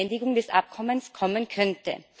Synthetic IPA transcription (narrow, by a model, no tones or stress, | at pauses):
ɛndɪɡʊŋdɛsʔa̰p̚kʰɔmənskʰɔmənkʰœntə̰